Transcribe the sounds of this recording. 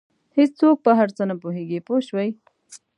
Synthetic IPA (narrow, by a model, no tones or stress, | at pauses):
hɪt͡st͡sok̚pəɦaɾt͡sənapoɦeɡepoʃwaj